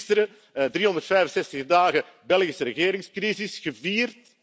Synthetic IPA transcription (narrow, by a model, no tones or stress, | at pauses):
stəɾə | dɾiːɔndərtfɛjvənsɛstəɣdaːɣə | bɛlˠɣisəɾəɣeːɾɪŋskrizɪsɣəviːrt